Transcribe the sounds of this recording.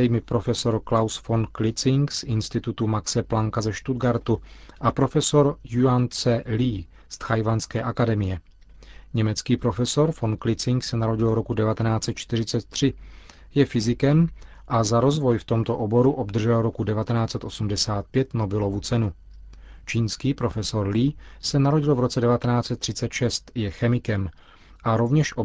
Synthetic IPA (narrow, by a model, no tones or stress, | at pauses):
ɛjmɪpɾo̞fɛso̞ɾklawsfo̞nklɪt͡sɪŋksʔɪnst̪ɪt̪ut̪umaksɛplaŋkazɛʃt̪ud̪ɡaɾt̪uʔapɾo̞fɛso̞ɾjuant͡sɛliː | st̪xajvanskɛːʔakadɛmɪjɛ | ɲɛmɛt͡skiːpɾo̞fɛso̞ɾfo̞nklɪt͡sɪŋksɛnaɾo̞ɟɪlɾo̞kudɛvat̪ɛnaːt͡sɛt̪̚t͡ʃt̪ɪr̝ɪt͡sɛt̪̚ːr̝̥ɪ | jɛfɪzɪkɛm | ʔazaɾo̞zvo̞jft̪o̞mt̪o̞ʔobo̞ɾuʔo̞bd̪r̩ʒɛlɾo̞kudɛvat̪ɛnaːt͡sɛt̪ʔo̞sumdɛsaːt̪̚pjɛt̪no̞bɪlo̞vut͡sɛnu | t͡ʃiːnskiːpɾo̞fɛso̞ɾliːsɛnaɾo̞ɟɪlvɾo̞t͡sɛdɛvat̪ɛnaːt͡sɛt̪ːr̥ɪt͡sɛt̪ʃɛst̪jɛxɛmɪkɛm | ʔaɾo̞vɲɛʃʔo